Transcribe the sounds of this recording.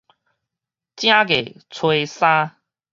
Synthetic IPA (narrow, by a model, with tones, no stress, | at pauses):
t͡ɕj̃ã˦ɡe˨˩t͡sʰwe˧sã˦